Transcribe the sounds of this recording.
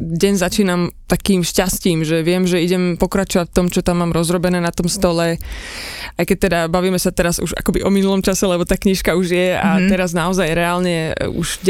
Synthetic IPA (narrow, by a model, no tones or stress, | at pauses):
ɟɛnzat͡ʃiːnamt̪akiːmʃcasciːmʒɛʋɪɛmʒɛiɟɛmpɔkɾat͡ʃɔʋacft̪ɔmt͡ʃɔt̪amːaːmɾɔzɾɔbɛnɛːnat̪ɔmst̪ɔlɛ | ʔajkɛc̚t̪ɛd̪abaʋiːmɛsat̪ɛɾazṵʒa̰kɔbiʔɔminulɔmt͡ʃasɛlɛbɔt̪aːkɲiʃkauʒɪjɛa̰t̪ɛɾaznaɔzajɾɛaːlɲɛṵʒ